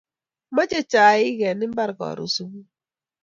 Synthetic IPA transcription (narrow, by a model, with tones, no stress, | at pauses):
ma˦t͡ʃe˦t͡ʃa˨ɪ˦ɡɛ˨nɪ˦m̩˦ba˦ɾkɔ̰˨ɾṵ˨su˦bu˦